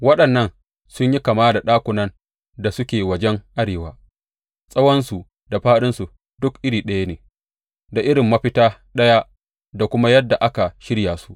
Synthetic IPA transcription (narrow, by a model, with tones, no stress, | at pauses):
wɐ˦ɗɐ˨nːɐ˦n | sʊ˦ɲji˦kaː˨maː˦da˨ɗaː˦kʷʊ˨nɐ˦n | da˨sʊ˦kʲeː˨wɐ˦d͡ʒɛ˦ŋʔa˦ɽeː˨waː˦ | sʼɐ˦wɔ˦nsu˨ | da˨ɸaː˦ɗɪ˦nsu˨ | dʊ˦kʔɪ˦ɾiː˨ɗɐ˦ja˦neː˨ | da˨ʔɪ˦ɽɪ˨mːɐ˦ɸɪ˦taː˦ɗɐ˦ja˦ | da˨kʷʊ˦ma˦jɐ˦dːa˨ʔa˦ka˨ʃɪ˦ɽjaː˨su̥˦ʔ